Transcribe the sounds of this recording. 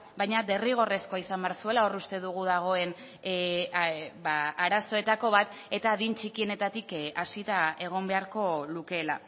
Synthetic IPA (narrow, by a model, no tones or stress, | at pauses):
bajɲad̪e̞riɣ̞o̞re̞sko̞aisambeaɾsue̞lao̞rust̪e̞ðuɣ̞uðaɣ̞o̞e̞n | baaɾaso̞e̞t̪ako̞βat̪ | e̞t̪aːðint͡ʃikie̞ne̞t̪at̪ikasit̪ae̞ɣ̞o̞mbe̞aɾko̞luke̞ːla̰